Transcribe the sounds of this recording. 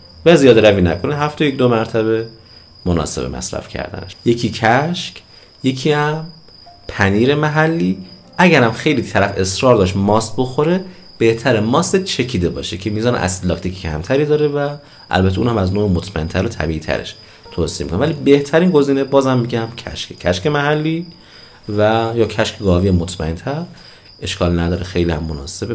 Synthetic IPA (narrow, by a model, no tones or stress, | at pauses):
væzijɒːd̪ɾæviːnæ̰kʰo̞neɦæft̪ʰojekd̪omæɾt̪ʰæβe̞ | monɒ̰se̞bḛmʔæ̰sɾæ̰fcʰæ̰ɾd̪æ̰nḛʃje̞cʰiːcʰæʃc | je̞cʰiːæm | pʰæniːɾe̞mæɦælːiː | ʔæɟæɾæmxe̞jliːt̪ʰæɾæfe̞sɾɒːɾd̪ɒːʃt̪mɒːst̪̚bo̞xo̞ɾe | b̥e̞ht̪ʰæɾemɒːst̪et̪t͡ʃʰe̞cʰiːd̪ebɒ̰ːʃecʰe̞miːzɒːnḛʔæ̰sd̪lɒːkt̪ʰiːcʰe̥cʰæ̰mt̪ʰæɾiːd̪ɒːɾevæ | ʔæ̰lbæt̪ʰːuːnhæmæznoːemot̪ʰmæ̰ent̪ʰæɾot̪ʰæ̰biiːt̪ʰæ̰ɾeʃ | t̪ʰosi̥emikonvælibe̞ht̪ʰæɾiːnɡo̞ziːnebɒːzhæmːiɟæmcʰæ̰ʃkʰecʰæʃkemæɦælːiː | væjɒːcʰæʃcʰeɡɒːviːemot̪ʰmæ̰ent̪ʰæɾ | ʔe̞ʃkʰɒːlnæd̪ɒːɾexe̞jliːæ̰mːonɒ̰ːse̞be